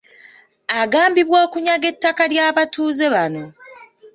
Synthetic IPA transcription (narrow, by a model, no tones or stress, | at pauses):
aɡaːmbiβwo̞ːkuɲaɡe̞tːakaljaːβatʰuːze̞βano̞